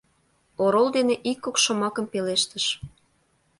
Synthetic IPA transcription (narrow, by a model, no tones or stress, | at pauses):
oɾolˠd̪eneʔikːokʃŏmɑkə̆mpeleʃt̪əʃ